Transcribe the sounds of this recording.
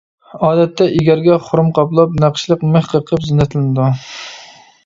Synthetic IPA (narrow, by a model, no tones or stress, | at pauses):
ɑːd̪ɛt̪ːɛʔiɡʲæɾɡʲɛχʊɾmqʰɑplˠɑp̚næqʃlˠəqmɨhqʰəqʰəpzɪnːɛt̪ʰɨlɪnɨd̪u